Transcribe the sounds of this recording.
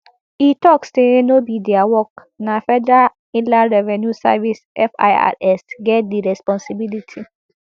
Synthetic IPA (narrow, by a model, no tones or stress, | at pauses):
itɔksteenobidɛawɔk | nafɛdɹa | ĩnlaɹɛvɛnjusa̰visʔɛfa̰ja̰ɛsɡɛt̚diɹɛspɔ̃nsibilitʰi